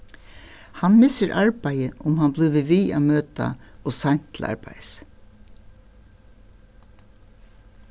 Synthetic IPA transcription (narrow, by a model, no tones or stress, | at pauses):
hanmɪsəɾʔaɹbæɪjəʔʊmhanblʏːʋəʋiːa̰ːmøːt̪a̰oːsan̥t̪ʰlʔɑ̰ɹbæ̰ɪs